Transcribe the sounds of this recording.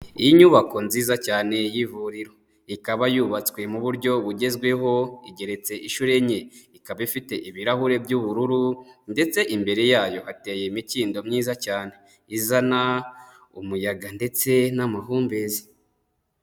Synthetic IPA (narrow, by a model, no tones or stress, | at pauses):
ijiɲuβako̞nziːzacaːne̞jivuɾiɾo̞ | ikaβajuβat͡swe̞muβuɾɟo̞βuɟe̞zɡwe̞ɦo̞iɟe̞ɾe̞t͡se̞ʔiʃuɾe̞ɲe̞ikaβaifite̞ʔiβiɾahuɾe̞bjuβuɾuɾunde̞t͡se̞ʔimbe̞ɾe̞jaːjo̞hate̞ːjemitiːndo̞mɲiːzacaːne̞ | izana | umujaɡande̞t͡se̞namaɦuːmbe̞zi̥